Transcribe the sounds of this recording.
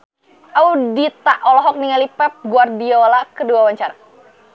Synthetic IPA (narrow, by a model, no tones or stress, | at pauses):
ʔaudit̪aʔɔlɔɦɔk̚niŋalipɛp̚ɡuardiolakəduawaɲt͡ʃaɾa